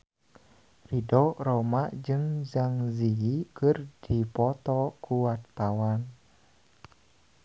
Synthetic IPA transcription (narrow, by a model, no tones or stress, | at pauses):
ridɔromaʔd͡ʒɨŋd͡ʒaŋziikərd̥ipɔt̪ɔkuwart̪awan